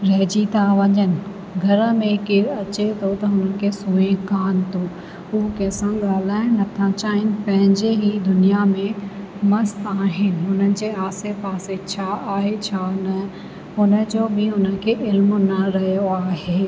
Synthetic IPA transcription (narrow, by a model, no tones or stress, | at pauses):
ɾɐɦd͡ʑit̪ãʋɐɲənɪ̆ | ɡʱɐɾəmẽkiɾɐt͡ɕet̪ʰot̪ɐɦʊnənɪ̆kʰesuːẽkaːnt̪oː | ʊːkɐ̃ːsãɠaːl̤aːɪ̃nɐt̪ʰãt͡ɕaːɦɪnɪ̆pɐ̃ɦɪ̃ɲd͡ʑeɦid̪ʊnijamẽmɐst̪aːɦɪnɪ̆ɦʊnənɪ̆d͡ʑeːaːsepaːset͡ɕʰaaːɦet͡ɕʰanɐ | ɦʊnə̆d͡ʑoːbʱɪʊnə̆kʰeʔɪlmnɐɾɐɦjoaːɦeː